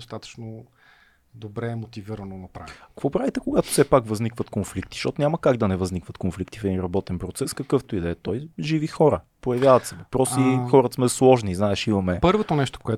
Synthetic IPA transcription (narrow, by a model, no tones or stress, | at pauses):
ost̪at̪ə̥t͡ʃno | d̪obɾɛmot̪iviɾɐnonɐpɾa̰vɐkvɔpɾavit̪ɛkoɡat̪o̥sɛpakvɐznikvɐt̪konflik̚t̪i̥ʃt̪ɔt̪onʲamɐkaɡd̪ɐnɛvɐznikvɐt̪̚konflikt̪i̥fɛd̪inɾɐbɔt̪ɛnpɾot̪sɛskəkɤft̪oid̪ɛːt̪ɔjʒivixɔɾə | pojɐvjavɐt̪sɛvɐpɾɔsixɔɾɐt̪smɛslˠɔʒniznaɛʃimɐmɛpɤɾvot̪onɛʃt̪o̥koɛ